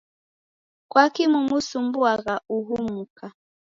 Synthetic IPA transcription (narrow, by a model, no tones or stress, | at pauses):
kwakimumusumbuaɣauɦumuka